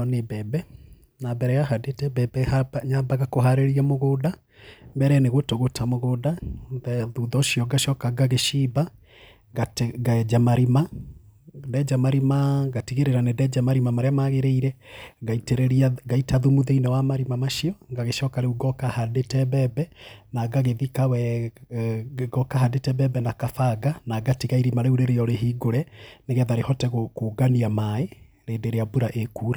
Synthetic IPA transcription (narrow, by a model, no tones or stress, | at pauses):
ɔnebɛbɛ | nabɛɾɛjaɦadetɛbɛbɛhabaɲabaɣakoɦaɾeɾiamoɣoda | mbɛɾɛːneɣotoɣotamoɣoːdaðɛðuðɔɕijɔɡaʃɔːkaɡaɣeʃiba | ɡatɡad͡ʒamaɾima | dɛd͡ʒamaɾimaɣatiɣeɾeɾanedɛd͡ʒamaɾimamaɾeamaɣeɾeiɾɛɡaiteɾɛɾiaɡaitaðumuðeinawamaɾimamaʃiɔŋɡaɣeʃɔːkaɾeuɡɔkahadetɛbɛbɛnaɡaɣeðikawɛ | ɡɔkaɦadetɛbɛbɛnakafaɡanaɡatiɣaiɾimaɾeuɾeɾejɔɾeɦiɡoɾɛneɣɛðaɾehɔtɛɣokoɡaniamae | ɾedeɾeabuɾaʔekuːɾa